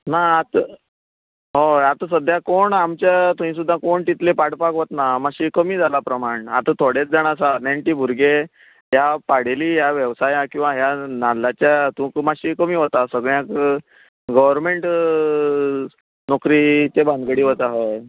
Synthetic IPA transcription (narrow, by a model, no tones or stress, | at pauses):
naat̪ | ɦojat̪əs̬əd̪ʱːjakoɳamt͡ɕjat̪oĩs̬ud̪ʱːãkoɳt̪it̪lepaɽpakʋot̪namaɕiːkəmiːd͡zʱalapɾəmaɳa̰t̪t̪ʰoɽjet͡sd͡zaɽ̃asanaɳʈiːbʱuɾɡe | japaɽ̤eliːjaʋjəʋsajãkĩw̃ʋaɦjanalːat͡ɕjat̪ũkmaɕiːkəmiːɦot̪asəɡɭjãk | ɡəʋəɾmeɳʈ | nɔkɾiːt͡ɕebʱãnd̪ɡəɽiːɦot̪aɦej